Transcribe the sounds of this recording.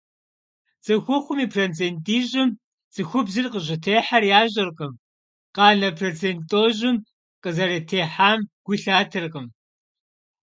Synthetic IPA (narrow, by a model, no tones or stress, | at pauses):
z̥ɨxʷʊχʷʊmiːpʰront͡sʰeːntʼiːʑɪm | zʼɨxʷʊbzɨrqəʑɪtʰeːħarjaːʑɐrqəm | qɑːnɐpʰrot͡sʰeːntʼoːʑɪm | qʼəzɐɾɐtʰeːħaːmɡ̥ʷʊɬaːtʰɨrqəm